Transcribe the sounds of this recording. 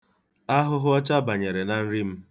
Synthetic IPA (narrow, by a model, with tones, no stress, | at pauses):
a˦ɦʊ˦ɦʊ˦ɔ˦t͡ʃa˦ba˨ɲe˨ɾe˨na˨n̩˦ɾi˦m̩˦